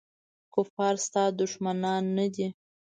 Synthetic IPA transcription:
kʊfɑɾst̪ɑd̪ʊʃmanɑnːad̪i

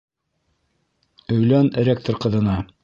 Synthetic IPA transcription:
ɵ̆jlænrʲek̚t̪orqɤ̆ðɤ̆nɑ

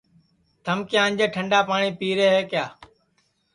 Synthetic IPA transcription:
t̪ʰəmkjãːəɲd͡ʒeːʈʰəɳɖaːpaːɳiːpiːɾeːɦeːkjaː

